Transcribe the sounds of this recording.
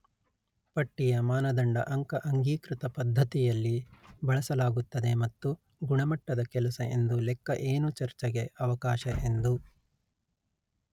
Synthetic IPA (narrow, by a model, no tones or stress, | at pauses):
pɐʈːijɐmaːnɐd̪ɐɳɖɐ̰ʔɐŋkɐʔɐŋɡiːkɾit̪ɐpɐd̪ʱːɐt̪ijɐlːibɐɭɐsɐlaːɡut̪ːɐd̪emɐt̪ːu | ɡuɳɐmɐʈːɐd̪ɐkɛlɐsɐʔe̞nd̪ulɛkːɐʔeːnut͡ʃɐɾt͡ʃɛɡe̞ɐʋɐkaːʃɐʔend̪u